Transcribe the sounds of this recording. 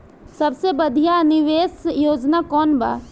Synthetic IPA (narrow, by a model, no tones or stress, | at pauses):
sɐbsebəd̪ʱijanɪʋeːsjoːd͡ʒnakɔːnba̰ː